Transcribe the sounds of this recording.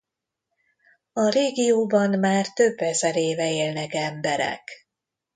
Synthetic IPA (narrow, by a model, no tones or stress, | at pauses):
ɒɾeːɡijoːbɒnmaːrt̪ø̞bːɛzɛɾeːvɛeːlnɛkɛmbɛɾɛ̰k